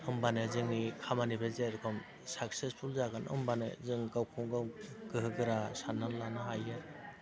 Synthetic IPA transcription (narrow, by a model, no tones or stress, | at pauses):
ɯmbanezɯŋnikʰamanibezeɾkʰɯm | sak̚sespʰulzaɡanʔɯ̰mbanɯ̰zɯŋɡawkʰuŋɡawɡɯɦɯɡɯɾasanːalːanɯɦajɯ